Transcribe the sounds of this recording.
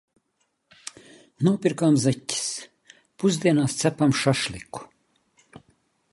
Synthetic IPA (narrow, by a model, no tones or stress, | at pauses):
nuɔpʲiɾkaːmzɛtʲːi̥s | puzd̪iɛnaːst̪sæpamʃaʃlʲˠikːu̥